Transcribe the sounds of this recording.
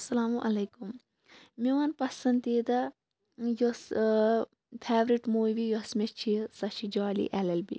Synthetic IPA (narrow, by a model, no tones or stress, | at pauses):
ɐsɐlaːmuʔɐlɐjkum | miwanpɐsɐnd̪iːd̪ɐ | jos | pʰeːʋɾiʈmoːʋijosmet͡ʃʰisɐʃʰid͡ʒaːlḭʔɛlɐlbḭ